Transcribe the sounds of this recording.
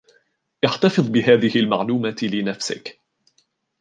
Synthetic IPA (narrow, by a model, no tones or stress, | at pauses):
ʔɪħt̪ɑfɨðˤbɪɦaːðɪhɪlma̰ʕluːmaːt̪ɪlɪnafsɪ̰k